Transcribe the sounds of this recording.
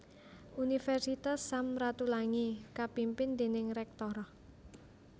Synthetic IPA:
ʔunifɛrsit̪asamrat̪ulaŋikapimpɪnd̪e̤nɪŋɾɛk̚t̪ɔɾɔh

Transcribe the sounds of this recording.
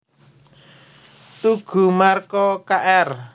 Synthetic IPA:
t̪uɡ̥ṳmarkɔkaʔɛr

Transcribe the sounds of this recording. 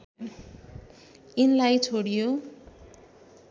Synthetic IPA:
inlajt͡sʰoɽijo

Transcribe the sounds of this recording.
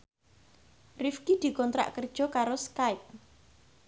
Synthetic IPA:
rifkid̪̥i̤kɔnt̪ɾa̰ʔkərd̥ʒ̥ɔ̤kaɾoskajp̚

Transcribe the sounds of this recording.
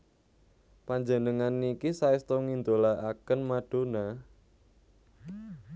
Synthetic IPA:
paɲd͡ʒənəŋanikisaist̪oŋind̪olaakənmaɖ̥ona

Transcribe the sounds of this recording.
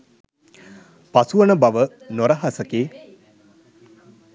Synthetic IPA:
pasuʋənəbaʋə | noɾəɦasəkeː

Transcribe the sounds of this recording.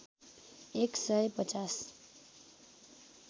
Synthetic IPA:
eksʌjpʌt͡sas

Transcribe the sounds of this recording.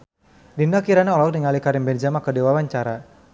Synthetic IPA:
dinakiɾanaɔlɔk̚diŋalikaɾɪmbɛnd͡ʒamakədewawaɲt͡ʃaɾa

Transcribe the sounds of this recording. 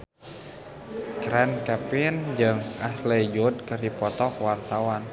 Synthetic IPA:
kɾɛnkɛpɪnd͡ʒɨŋaslɛd͡ʒud̚kɨrdipɔt̪ɔkwart̪awan

